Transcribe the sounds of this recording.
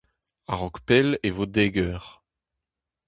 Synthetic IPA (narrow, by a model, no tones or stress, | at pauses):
aʁɔkpɛlevod̪eːɡœʁ